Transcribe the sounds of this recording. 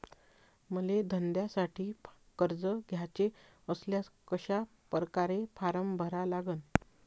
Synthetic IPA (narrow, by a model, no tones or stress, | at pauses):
məled̪ʱənd̪jasaʈʰiː | kəɾd͡zəɡʱjat͡ɕe | əsljakəɕa | pɾkaɾefʰaɾəmbʱəɾalaɡən